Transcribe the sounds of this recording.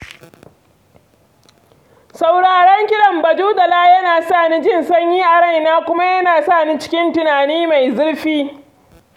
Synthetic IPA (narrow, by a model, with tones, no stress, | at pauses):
sa˨wɽaː˨ɽɔ˦ŋkʲɪ˦ɽɐ˨mbɐ˨d͡ʒuː˦dɐ˨laː˦jɐ˦naː˨saː˦˨niː˦d͡ʒɪ˦nsɐ˦ɲjiː˦ʔa˨ɽɐ˦˨jnaː˦kʷʊ˦ma˦jɐ˦naː˨sa˦˨niː˦t͡ʃɪ̥˦kʲɪ˦ntɪ˨naː˨niː˦ma˨jzʊ˦ɽɸiː˦